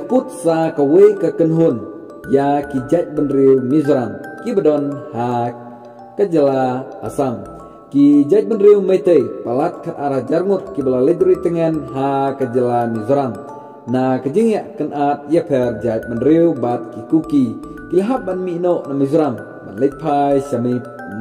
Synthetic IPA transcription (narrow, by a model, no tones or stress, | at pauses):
əkut̪̚sakawekakənɦun | jakid͡ʒat̪̚bənɾiwmizɾamkibədɔnha | kəd͡ʒəla̰ːsam | kid͡ʒajt̪̚bənɾiwmət̪əjpalat̪̚kʰət̪aɾahd͡ʒaɾŋut̪̚kibəlaləd̪ɾit̪əŋɛnɦakəd͡ʒəlamizɾam | nakəd͡ʒəŋaʔkənʔat̪̚japʰɛrd͡ʒajt̪̚mənɾiwbat̪̚kikuki | kilɦap̚banminoʔnamizɾam | ba̰nləpʰajsami